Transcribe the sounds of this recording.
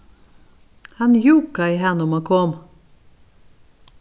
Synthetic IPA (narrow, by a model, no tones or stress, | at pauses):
hɑnjuːkɑɪhɛnʊmoːkʰɔm